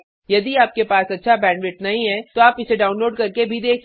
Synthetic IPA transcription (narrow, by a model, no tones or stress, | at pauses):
jɐd̪iaːp̚kepaːsɐtːʃʰabɛ̃ːɳʋɪʈnɐɦĩɦɛt̪oaːpɪseɖaːʊnloːɖkɐɾkebʱid̪eːkʰ